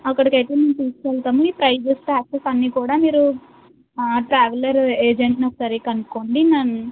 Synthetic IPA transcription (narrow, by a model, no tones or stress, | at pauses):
ɐkːɐɽikɐjt̪eːment̪iːskɛːlt̪aːmuiːpɾɐjʋesʈaːksesɐnːiːkuːɽaːmiːɾu | ʈɾaːʋɐlɐɾeːd͡ʒeɳʈnɐksɐɾikɐnukoːɳɖinɐnu